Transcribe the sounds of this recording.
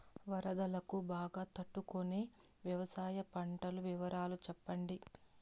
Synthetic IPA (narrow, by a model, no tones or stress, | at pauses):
ʋɐɾɐd̪ɐlɐkubaːɡaːt̪ɐʈːukone̞ːʋjɐʋɐsaːjɐpɐɳʈɐluʋiʋɐɾʔaːlut͡ʃɛpːɐɳɖi